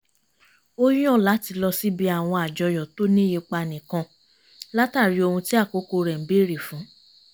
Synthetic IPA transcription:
o˦j̃ɔ̃˦˨la˨˦ti˧lɔ˧si˦bi˧a˨w̃ɔ̃˧a˨d͡ʒɔ˧jɔ˨to˦nĩ˦je˧k͡pa˧nĩ˨kã˧ | la˦ta˦˨ɾi˧˦o˧hũ˧ti˦a˦˨ko˦ko˧ɾɛ˨˦bi˦˨ɾi˨fũ˨˦

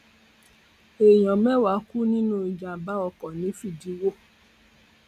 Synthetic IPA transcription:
e˨j̃ɔ̃˨mɛ˦wa˨˦ku˦nĩ˦nũ˦i˨˧d͡ʒa˨ba˦ɔ˧kɔ˨nĩ˨˦fi˦˨di˨˦wo˦˨

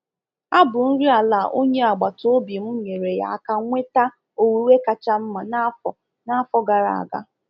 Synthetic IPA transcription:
a˦bʊ˨n̩˦ɾi˦a˨la˨ʔo˦ɲe˦a˨ɡ͡ba˨to˦bi˨m̩˦ɲe˨ɾe˨ja̰˨a˨ka˨ŋʷe˦ta˦ | o˨wu˨˦we˦ka˨t͡ʃa˦m̩˦ma˨na˦fɔ˨ | na˦fɔ˦ɡa˨ɾa̰˨a̰˨ɡa̰˦

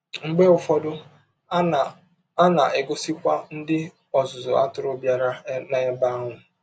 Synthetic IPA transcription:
ŋ͡m̩˨ɡ͡be˦ʊ˨fɔ˦dʊ˦˨ | a˦na˨ɪ˨ɡʊ˦si˦kʷa˦n̩˦dɪ˦ | ɔ˨zʊ˨zʊ̰˨a̰˦tʊ˨ɾʊ˦bja˦ɾa˦na˨e˦ba˦ŋʷʊ˨

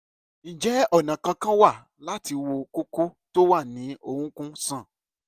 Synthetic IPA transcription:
ñ̩˨d͡ʒɛ˨˦ɔ˦˨nã˨kã˧kã˦wa˦˨ | la˦ti˧wo˧ko˦ko˦to˦wa˦˨nĩ˨˦ʔo˦˨hũ˨˦kũ˦sã˦˨

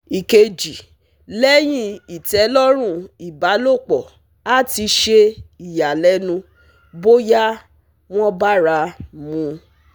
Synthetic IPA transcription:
i˨ke˧d͡ʒi˨ | lɛ˦j̃ĩ˦i˨tɛ˨˦lɔ˦ɾ̃ũ˦˨i˨ba˨˦lo˦˨k͡pɔ˨ | a˦ti˧˦ʃe˧i˨ja˨lɛ˦nũ˧ | bo˦ja˦ | w̃ɔ̃˦ba˦ɾa˧mũ˨˧

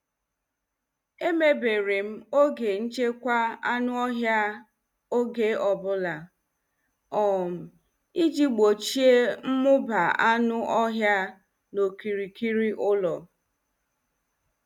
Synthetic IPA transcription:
e˦me˦be˨ɾe˨m̩˦o˦ɡe˨n̩˦t͡ʃe˦kʷa˦a˦nʊ˦ɔ˦ɦja˦ | o˦ɡe˨ɔ˨bʊ˦la˨ | ɔ˨m̩˨ | i˦d͡ʒi˦ɡ͡bo˨t͡ʃi˦e˦m̩˦mʊ˦ba˨a˦nʊ˦ʔɔ˦ɦja˦ | no˨ki˨ɾi˨ki˦ɾi˦ʔʊ˦lɔ˨

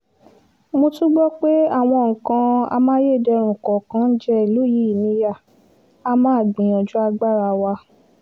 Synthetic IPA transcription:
mo˧tũ˦ɡ͡bɔ˦k͡pe˦a˦˨w̃ɔ̃˧ŋ̩˨kã˧a̰˧mã˦je˦˨dɛ˧ɾ̃ũ˨kɔ˨kã˦n̩˦d͡ʒɛ˦i˨lo˦ji˦i˨nĩ˧ja˦˨ | a˧mãː˦˨ɡ͡bĩ˨ɔ̃˨d͡ʒu˦a˧ɡ͡ba˦˨ɾa˧wa˧

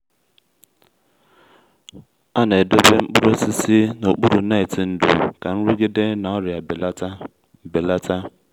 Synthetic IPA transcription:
a˦na˨e˨do˦be˦ŋ͡m̩˦k͡pʊ˦ɾo˦si˦si˦no˨k͡pu˦ɾu˨na˦ɪ˨ti˨n̩˦dṵ˨ka˨n̩˦ɾi˦ɡi˦de˦na˨ɔ˦ɾja˨˦ | be˨la˦ta˦

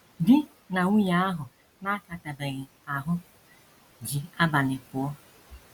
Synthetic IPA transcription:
dɪ˦ | na˨wʷu˦ja˦a˦ɦʊ˨ | na˦ka˨ta˨be˨ɣɪ˨ | a˨ɦʊ˦ | d͡ʒi˨a˦ba˨nɪ˨kʊ˨ɔ˦

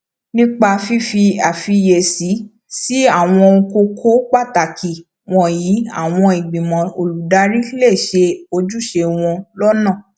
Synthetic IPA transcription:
nĩ˦k͡pa˧fi˦fi˧a˨fi˧je˨si˨˦ | si˦a˦˨w̃ɔ̃˧o˧ko˧kʰo˦k͡pa˦˨ta˨kʰi˨ | w̃ɔ̃˦jiː˨˦a̰˦˨w̃ɔ̃˧i˨ɡ͡bĩ˨mɔ̃˨o˨lu˨da˨˧˦ɾi˦le˦˨ʃe˧o˧d͡ʒu˦ʃe˧w̃ɔ̃˧lɔ˦nãː˦˨

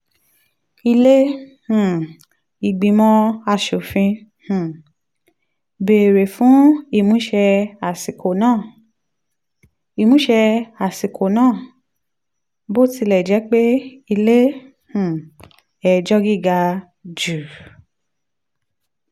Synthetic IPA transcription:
i˧le˦h̩˨ | i˨ɡ͡bĩ˧˨mɔ̃˦a˧˨ʃo˨fĩ˧ | h̩˨ | be˨ɾe˨fũ˨˦i˦˨mũ˨˦ʃɛ˧a˨si˨kʰo˨nãː˦˨ | i˨mũ˨˦ʃɛ˧a˨si˨kʰo˨nãː˦˨ | bo˦˨ti˧lɛ˨d͡ʒɛ˨˦k͡pe˦i˧le˦ | h̩˨ | ɛ˨d͡ʒɔ˦ɡi˦˨ɡa˧ | d͡ʒu˨

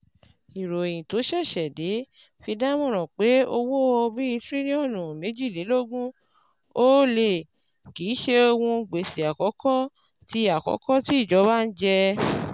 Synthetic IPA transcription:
i˨ɾo˨e˨j̃ĩ˨to˨˦ʃɛ˦˨ʃɛ˨de˨˦ | fi˧da˦mɔ̃˦˨ɾ̃ɔ̃˨k͡pe˨˦o˧wo˦ɔ˧bi˦i˦tɾi˦nĩ˦ɔ˦˨nũ˨mẽ˨˦d͡ʒi˦˨le˨˦lo˦˨ɡũ˦ | o˦le˦˨ | ki˨˦ʃe˧o˧wũ˧ɡ͡be˨si˨a˨kɔ˨˦kɔ˦ | ti˧a˨kɔ̰˨˦kɔ˦ti˦i˦˨d͡ʒɔ˨˦ba˦n̩˦d͡ʒɛ˧

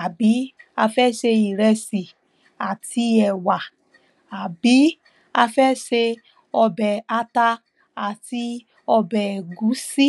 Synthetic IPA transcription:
a˨bi˨˦a˧fɛ˦ʃe˧i˨ɾɛ˧si˨ | a˨ti˧ɛ˨wa˨ | a˨bi˨˦ | a˧fɛ˦ʃe˧ | ɔ˧bɛ˨a˧ta˧ | a˨ti˧ | ɔ˧bɛ˨ɡu˨˦si˦

